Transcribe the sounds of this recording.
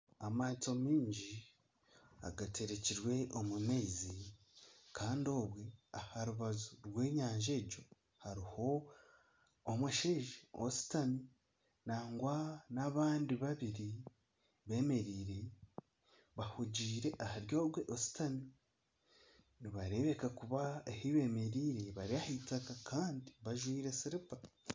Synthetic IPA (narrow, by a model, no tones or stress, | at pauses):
amaːt͡so̞miːɲɟi | a̰ɡatʰe̞ɾe̞ciɾwe̞omumeːzi | kʰaːndo̞ːβwe̞ahaɾuβazuɾwe̞ːɲaːɲʒe̞ːɟo̞ | haɾiho̞ | mweʃeːʒeo̰si̥tami | naːŋɡwanaβaːndiβaβiɾi | βe̞ːme̞ɾiːɾe | βahuɟiːɾe̞ʔahaɾjo̞ːbɡweʔosi̥tami | niβaɾe̞βe̞kakuβaehiβe̞me̞ɾiːɾeβaɾiahitakakʰaːndiβaʒwiːɾe̞siɾipa